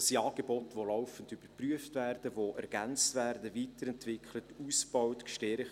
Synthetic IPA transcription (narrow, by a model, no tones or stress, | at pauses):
siɑːɡ̥ebotʋolɔʊfəndyb̥əɾpryəftvæːrd̥əʋoʔɛɾɡ̥ænt͡stvæːrdəviːtəɾɛntvɪkʰlətuːsb̥ɔwtkʃtɛɾχ